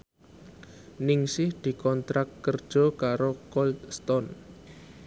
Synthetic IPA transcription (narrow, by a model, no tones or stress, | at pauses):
nɪŋsɪhd̪̥i̤kɔnt̪ɾakt̪kərd̥ʒ̥ɔ̤kaɾokɔlst̪ɔn